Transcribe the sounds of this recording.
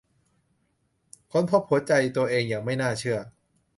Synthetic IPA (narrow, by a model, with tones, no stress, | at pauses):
kʰo˧˥npʰo˦˥p̚hu˨˩˦ɐt͡ɕa˧jt̪u˧ɐʔeː˧ŋjaː˨˩ŋma˥˩jnaː˥˩t͡ɕʰɯ˥˩ɐ